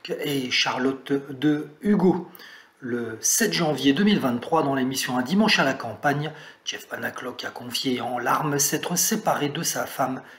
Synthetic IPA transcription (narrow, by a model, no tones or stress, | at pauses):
eʃaʁlɔt̪d̪əyɡo | ləsɛt̪ʒɑ̃vjed̪əmilvɛ̃t̪ːχwad̪ɑ̃lemisjɔ̃ɛ̃d̪imɑ̃ʃalakɑ̃paɲʒɛfpanaklɔkakɔ̃fjeɑ̃laʁmsɛt̪χəsepaʁed̪əsafam